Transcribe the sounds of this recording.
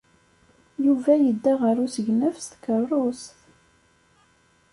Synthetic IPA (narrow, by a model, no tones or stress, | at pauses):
juvæjəd̪ːæʁəɾˤusəʝnəfst̪kərˤːʊsθ